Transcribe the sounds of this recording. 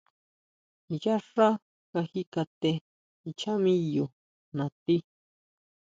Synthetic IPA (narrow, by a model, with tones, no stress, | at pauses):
ja˦ʂa˦ | ka˧hi˦ka˧t̪e˧ | i˨t͡ʃʰa˦mĩ˦jo˨ | nã˨t̪i˦